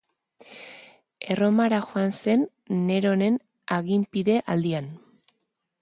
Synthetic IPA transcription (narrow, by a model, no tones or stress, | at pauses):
e̞ro̞maɾaxoanse̞nː | e̞ɾo̞ne̞n | aɣimpiðe̞ʔald̪ian